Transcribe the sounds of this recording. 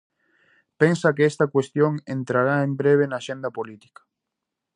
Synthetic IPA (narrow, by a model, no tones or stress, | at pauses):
pensakeest̪akwest̪joŋent̪ɾaɾaembɾeβ̞enaːʃẽnd̪apolit̪i̥kḁ